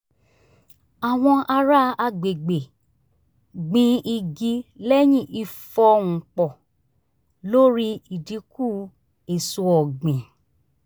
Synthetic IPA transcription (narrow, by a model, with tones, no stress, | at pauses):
a˨w̃ɔ̃˧ʔa˧ɾa˦a˧ɡ͡be˨ɡ͡be˨ | ɡ͡bĩ˧i˧ɡi˧lɛ˦j̃ĩ˦˨ʔi˧fɔ˧ŋũ˨k͡pɔ˨ | lo˦ɾi˦i˨di˧˦ku˦˨ | e˨su˧ɔ˨ɡ͡bĩ˨